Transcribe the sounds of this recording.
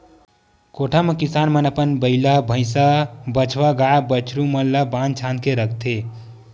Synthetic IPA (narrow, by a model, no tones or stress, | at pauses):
koʈʰamekisaːnmənəpənbəɪlabʱə̃ɪ̃sabət͡ʃʰʋaɡaabət͡ʃʰɾumənləbãnt͡ʃʰãːnd̪keɾəkʰt̪ʰe